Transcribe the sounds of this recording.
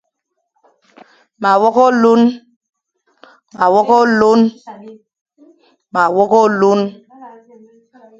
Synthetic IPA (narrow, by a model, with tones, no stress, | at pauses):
ma˨wɔ˦kɔ˦lu˦n | ma˨wɔ˦kɔ˦lu˦n | ma˨wɔ˦kɔ˦lu˦n